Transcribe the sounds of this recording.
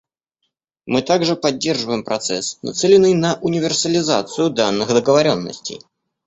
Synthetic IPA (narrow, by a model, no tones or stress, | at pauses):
mɨt̪aɡʐɨpɐdʲːe̞rʐɨvəjɪmpɾɐt̪sɛ̰snɐ̰t̪sɛlʲɪnːɨjnɐʔʊnʲɪvʲɪrsəlʲɪza̰t̪sɨjʊd̪anːɨxd̪əɡəvɐɾʲo̞nːə̰sʲtʲɪ̰j